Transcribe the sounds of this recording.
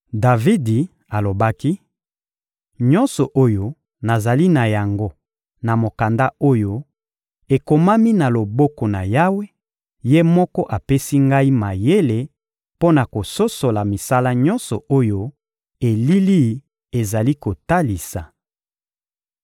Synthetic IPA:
da˨vi˦di˨ | a˨lo˨ba˦ki˦ | ɲɔ˦nsɔ˨ʔo˦jo˦ | na˨za˨li˦na˨ja˨ŋɡo˦ | na˨mo˨ka˨nda˦o˦jo˦ | e˨ko˨ma˦mi˦na˨lo˨bo˦kɔ˨na˨ja˦we˦ | je˦mɔ˦kɔ˦ʔa˨pe˦si˦ŋɡa˦i˦ma˨je˦le˨ | po˦na˨ko˨so˦so˨la˨mi˨sa˦la˦ɲɔ̃˦nsɔ˨o˦jo˦ | e˨li˦li˦ | e˨za˨li˦ko˨ta˦li˨sa˨

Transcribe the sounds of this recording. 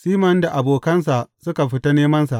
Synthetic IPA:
siː˦mɐ˦nda˨ʔa˨boː˨kɐ˦ns̬a˨ʔsʊ˦ka˨ɸɪ˦ta˦neː˦mɐ˦nsa˨ʔ

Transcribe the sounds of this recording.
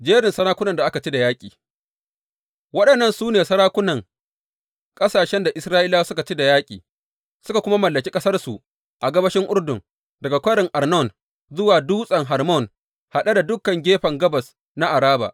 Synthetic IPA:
d͡ʒeː˦ɾɪ˨nsɐ˦ɾaː˦kʷʊ˦nɐ˨nda˨ʔa˦ka˨t͡ʃi˦da˨jaː˦kʲʼḭː˨ | wɐ˦ɗɐ˨nːɐ˦˨nsuː˦neː˨sɐ˦ɾaː˦kʷʊ˦nɐ˨ŋ | kʼɐ˦saː˨ʃɛ˦nda˨ʔɪ˦sɾaː˦ʔɪ˦laː˦sʊ˦ka˨t͡ʃi˦da˨jaː˦kʲʼḭː˨ | sʊ˦ka˨kʷʊ˦ma˦mɐ˨lːɐ˨kʲi˦kʼɐ˦sɐ˦rsu˨ʔ | ʔa˨ɡɐ˦bɐ˦ʃɪ˦ŋʔʊ˦rdʊ˨ŋ | dɐ˨ɡa˨kʷɐ˦ɽɪ˨ŋʔa˨rnɔ˦˨n | zʊ˦waː˨duː˦sʼɐ˨ŋɦɐ˨rmɔ˦˨n | ha˨ɗa˦da˨dʊ˦kːɐ˨ŋɡʲeː˦ɸɐ˨ŋɡɐ˦bɐ˨s | na˦ʔa˨ɾaː˦ba̰˨ʔ

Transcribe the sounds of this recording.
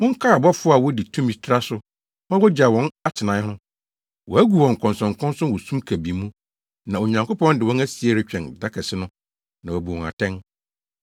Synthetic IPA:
mʊ̃˦ŋ̩˦kʰa˦a˨bɔ˦fʊ˦a˨wɔ˦di˨tʰũ˦mĩ˨tʰa˦sʊ˦ | mã˦wɔ˦d͡ʑa˨wɔ̃˨˦na˦tʰɪ˨nã˨˦ʊ̃˦ | wɔ˨æ˦ɡu˨wɔ̃˨ŋ˨kʰɔ̃˨nsɔ̃˨ŋ˨kʰɔ̃˦nsɔ̃˦nwɔ˨sũ˦mkʰæ˨bi˨˦mũ˦ | nã˨o˨ɲã˨ŋko˦pɔ̃˦ndɪ˨wɔ̃˦næ˦si˨e˨ɾɪ˦t͡ɕᶣɛ̃˨nda˦kʰɛ˨sɪ˦nʊ̃˦ | nã˨wɔ˨bu˨wɔ̃˨ŋa̰˨tʰɛ̃˦n

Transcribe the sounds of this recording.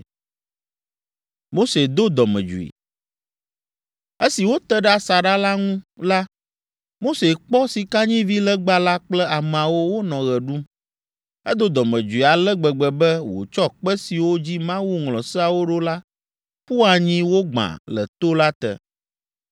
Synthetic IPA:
mo˦se˨d̪o˦d̪ɔ˨mɛ̰̃˨d͡ʒṵ˨ḭ˨ | e˦si˨wo˦t̪ɛ˦ɖɛ˦a˨sa˨ɖa˦la˦ŋũ˦la˦ | mo˦se˨k͡pɔ˦si˨ka˦ɲĩ˦vi˦lɛ˦ɡ͡ba˦la˦k͡plɛ˦a˨m˨a˨wo˦wo˦nɔ̃˨ɣɛ˨ɖu˦m | ɛ˦d̪o˦d̪ɔ˨mə̃˨d͡ʒu˨i˨a˨lɛ˦ɡ͡bɛ˨ɡ͡bɛ˨bɛ˦wo̰˨t͡ʃɔ˦k͡pɛ˦si˨wo˦d͡ʑi˦mã˦wu˦ŋlɔ̃˨sɛ˦a˨wo˦ɖo˦la˦ | ɸu˦a˨ɲĩ˦wo˦ɡ͡bã̰˨lə̰˨t̪o˦la˦t̪ɛ̰˨

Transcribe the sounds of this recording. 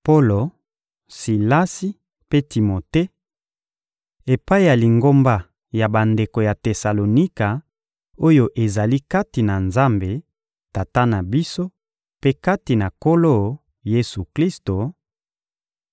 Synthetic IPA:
po˦lo˨ | si˨la˦si˦ | pe˦ti˨mo˨te˦ | e˨pa˦i˦ja˨li˨ŋɡo˦mba˦ | ja˨ba˨nde˨ko˨ja˨te˨sa˨lo˨ni˦ka˨ | o˦jo˦ʔe˨za˨li˦ka˦ti˨na˨nza˦mbe˨ | ta˨ta˦na˨bi˦so˦ | pe˦ka˦ti˨na˨ko˦lo˦ | je˦su˨kli˦sto˨

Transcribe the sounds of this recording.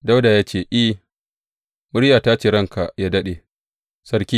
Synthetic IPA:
da˦wda˨jaː˦t͡ʃeː˦˨ʔi˦ | mʊ˦ɽja˨taː˦t͡ʃeː˨ɾɐ˦˨ŋka˨ja˦dɐ˦ɗe˨ | sɐ˦ɾkʲiː˦

